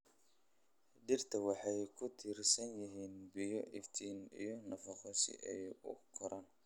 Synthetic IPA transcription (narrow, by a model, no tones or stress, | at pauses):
ɖɪrt̪ʰɐwɑħɑjkʰʊt̪ʰɪrsɐnjɪɦiːnbɪjɔʔɪft̪ʰiːnḭjɔnɐfɑχɔsɪ̰ʔɛjʊ̰kʰɔɾɐn